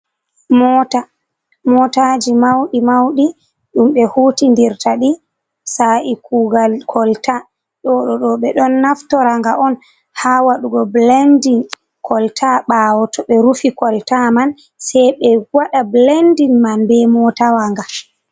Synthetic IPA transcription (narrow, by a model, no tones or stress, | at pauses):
mɔta | mɔtad͡ʒimawɗimawɗi | ɗumɓɛhutindiɾtaɗi | saʔikuɡalkʰɔlta | ɗɔɗɔɗɔɓɛɗɔnːaftɔɾaŋɡaʔɔn | hawaɗuɡɔblendin | kʰɔltʰaɓawɔtʰɔɓɛɾufikɔltaman | sɛjɓɛɡwaɗablendinmanbɛmɔtawaŋɡa